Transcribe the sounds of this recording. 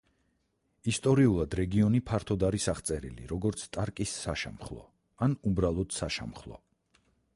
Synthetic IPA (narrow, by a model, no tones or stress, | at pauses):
ist̪ʼɔɾiulˠad̪ɾɛɡiɔnipʰaɾt̪ʰɔd̪aɾisaχt̪sʼɛɾḭlḭɾɔɡɔɾt̪sʰt̪ʼaɾkʼisːaʃa̰mχlˠɔ̰ | anubɾalˠɔd̪̥saʃa̰mχlˠɔ̰